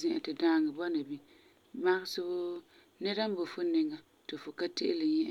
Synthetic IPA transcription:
zɪ̃˦˨ʔɛ˨tɪ˨daː˦˨ŋɨ˨bɔ˦na˨bi˦ | ma˦ɣɪ˦sʊ˦bʊ˦ | nɛ˦ɾa˦m˦bo˨fʊ˦nɪ˨ŋa˨ | tɪ˨fʊ˨ka˦tɪ˦ʔɪ˦lɪ˨ɲɛ˦ʔ

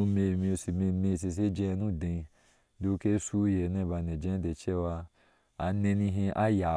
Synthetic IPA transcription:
u˧me˧˨mĩ˧o˧si˧me˧me˧˨s̬e˧s̬e˦d͡ʒɛ˧nũ˦˨dẽ˧i˧ | do˧˦˧ke˦su˦je˨˦nɛ̃˧˦˨ba˧nɛ̃˨d͡ʒɛ̃˧˦de˧t͡ʃɛ˦wa˧ | a˨nẽ˧nĩ˧ɦĩ˧ʔa˦ja˨

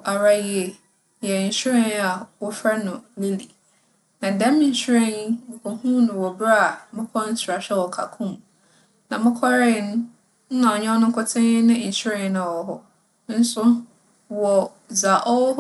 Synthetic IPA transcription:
ʔa˨ɾa˦jɪ˦ɛ˨ | jɛ˨n̩˨ɕi˦ɾɛ̃˦n˦a˨wɔ˦fɾɛ˦nʊ̃˨li˦li˨ | nã˨dɛ̃˦mɪ̃˦ɲ̩˦ɕɾɛ̃˦n̩˦˨kʰɔ˨hũ˦nʊ̃˨wɔ˨bɾa˦a˨mɪ̃˦kʰɔ˦n̩˦sʰʊ˨ɾa˨ɕᶣɛ˦wɔ˨kʰa̰˨kʰũ˦m | nã˨mɪ̃˦kʰɔ˦ɾɪ̃˦˨˦ñ˦ | n̩˦nã˨ɔ˨ɲɛ̃˦ɔ˦nʊ̃˦kʰʊ˦tʰɪ̃˦nɪ̃˦˨ɕɾɛ̃˦n˦nã˨ɔ˦ɦɔ˦ | n̩˦sʊ˦ | wɔ˨ | d͡za˨ʔɔ˦

